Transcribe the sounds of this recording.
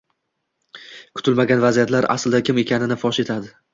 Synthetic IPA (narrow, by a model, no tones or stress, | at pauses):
kʰʊ̥t̪ɪlmaɡʲanvazijat̪ʰlaɾa̰sld̪akʲʰɪme̞kʲʰanɪnɪfɒʃe̞t̪ʰad̪ɪ